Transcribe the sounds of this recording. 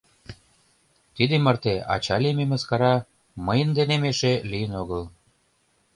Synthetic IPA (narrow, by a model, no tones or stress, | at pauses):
t̪id̪emərt̪eɑ̰t͡ɕɑlʲememəskɑɾɑ | məjənd̪enemeʃelijənoɣəl